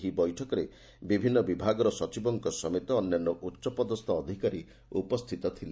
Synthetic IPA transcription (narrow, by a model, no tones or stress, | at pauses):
ɦibɔjʈʰɔkɔɾe | bibʱinːɔbibʱaɡɔɾɔsɔt͡ʃibɔŋkɔsɔmet̪ɔːnjanːɔʔutːʃɔpɔd̪ɔst̪ʰɔːd̪ʱikaɾi | upɔst̪ʰit̪ɔt̪ʰil